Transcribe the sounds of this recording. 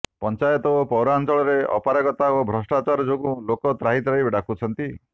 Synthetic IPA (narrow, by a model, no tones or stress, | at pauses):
pɔnt͡ʃajɔt̪ɔopɔwɾaːnt͡ʃɔɭɔɾeɔ̰paɾaɡɔt̪aobʱɾɔsʈat͡ʃaɾɔd͡ʒoɡũlokɔt̪ɾaɦit̪ɾaɦibeɽakʰut͡ʃʰɔnt̪i